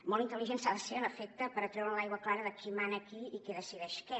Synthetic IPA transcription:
mɔlˠint̪əliʒensaðəseələfek̚t̪əpəɾət̪ɾɛwɾəlajɣwəklaɾəðəkʰimanəkiikeðəsiðɛʃkɛ

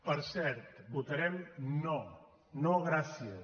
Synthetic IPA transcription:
pəɾsɛɾt̪but̪əɾɛmnɔ | nɔɣɾasjə

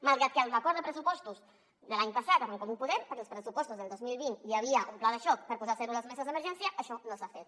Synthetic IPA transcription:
malˠɣɾat̪̚kalˠrakɔɾðepɾesupɔst̪uz | ðelaɲpasat̪aɾeŋkoðupuðeɾpəɾkelspɾesupɔst̪uzðeld̪ozmilβint̪iaβ̞iaʔumplaðeʃɔk̚pəɾpuzaɾseɾulazmesazðemeɾʒɛnsjaʔaʃɔnõlsafet̪

